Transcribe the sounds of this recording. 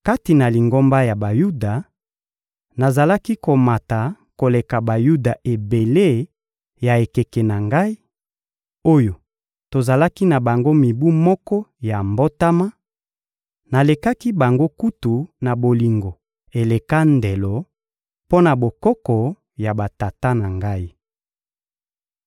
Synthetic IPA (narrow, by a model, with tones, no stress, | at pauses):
ka˦ti˨na˨li˨ŋɡo˦mba˦ja˨ba˨ju˦da˨ | na˨za˨la˦ki˦ko˨ma˨ta˨ | ko˨le˨ka˨ba˨ju˦da˨ʔe˨be˨le˦ | ja˨e˨ke˨ke˨na˨ŋɡa˦i˦ | o˦jo˨ | to˨za˨la˦ki˦na˨ba˨ŋɡo˦mi˨bu˦mɔ˦kɔ˦ja˨mbo˦ta˦ma˦ | na˨le˨ka˦ki˦ba˨ŋɡo˦ku˦tu˨na˨bo˨li˨ŋɡo˨ | e˨le˨ka˦nde˨lɔ˨ | po˦na˨bo˨kɔ˦kɔ˨ | ja˨ba˨ta˨ta˦na˨ŋɡa˦i˦